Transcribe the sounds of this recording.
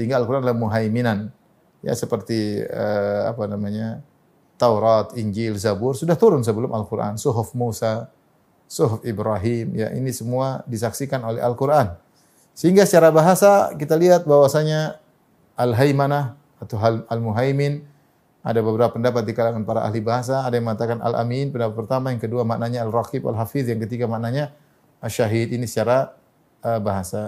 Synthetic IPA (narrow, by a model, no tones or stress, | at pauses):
səɦiŋɡaːlkuɾanalamuɦajminan | ja̰səpərt̪iə̰a̰panamaɲa | t̪awɾat̪iɲd͡ʒɪlzabʊrsudaht̪uɾʊnsəbəlʊmalkuɾʔa̰nsuɦʊfmusa | sʊɦʊfibɾaɦimja̰ʔḭnisəmuadisaksikanolɛ̰ɦalkuɾʔan | səɦiŋɡasət͡ʃaɾabaɦasakit̪aliɦat̪̚bawasaɲa | ʔalɦajmanah | at̪awɦalalmuɦajmɪn | a̰dabəbəɾapapəndapat̪̚dikalaŋanpaɾaʔa̰ɦlibaɦas̬aːdajaŋməŋat̪akana̰lʔa̰minpəndapat̪̚pərt̪amajaŋkəduamaʔnaɲaːlrakiba̰lɦafiθjaŋkət̪iɡamaʔnaɲa | aʃaɦit̪inisə̥t͡ʃaɾa | əbaɦasa